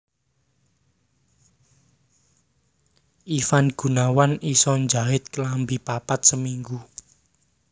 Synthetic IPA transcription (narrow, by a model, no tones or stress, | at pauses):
ʔifanɡ̥ṳnawanisɔnd͡ʒaɪt̪̚kəlambipapat̪̚səmiŋɡu